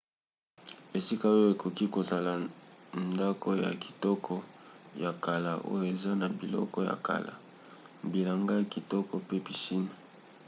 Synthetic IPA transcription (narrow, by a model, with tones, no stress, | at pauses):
e˨si˦ka˦o˦o˦e˨ko˨ki˦ko˨za˨la˨nda˦kʰɔ˦ja̰˨ki̥˨tɔ˦kʰɔ˦ja˨ka˨la̰˨ʔo̰˦jo˦˨e˨za˦na˨bi˨lɔ̰˦kɔ˦ja̰˨ka̰˨la̰˨ | bi˨la˨ŋɡa˦jki˨tɔ˦kɔ˨pe˦pi˨si˦na˨